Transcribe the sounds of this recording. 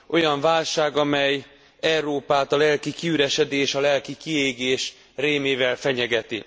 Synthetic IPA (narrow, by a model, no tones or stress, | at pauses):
ʔo̞jɒɱvaːlʃaːɡɒmɛj | ɛuroːpaːt̪ɒlɛlkikiyɾɛʃɛd̪eːʃɒlɛlkikieːɡeːʃ | reːmeːvɛlfɛɲɛɡɛt̪ḭ